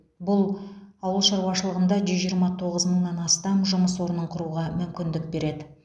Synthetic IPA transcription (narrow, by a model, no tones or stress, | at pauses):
bʊlˠɑwəlˠʃɑɾwɑʃəlˠəʁənd̪ɑʒʏzʒijəɾmɑt̪ʰo̞ʁəzməɴnɑnɑst̪ɑmʒʊməswo̞ɾənəɴqʰʊɾuʁɑmʏmkʲɪnd̪ɪk̚be̞ɾe̞d̪ɪ